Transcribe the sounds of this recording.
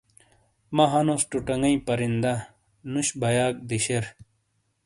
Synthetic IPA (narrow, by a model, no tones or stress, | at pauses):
mɐɦɐnosʈuʈɐŋɡɐĩpɐɾind̪a | nuɕbʱɐjaːk̚d̪iɕeɾ